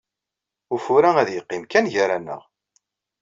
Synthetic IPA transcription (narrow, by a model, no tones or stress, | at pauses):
ufuɾææðjəqːɪmkænʝaɾænə̰ʁ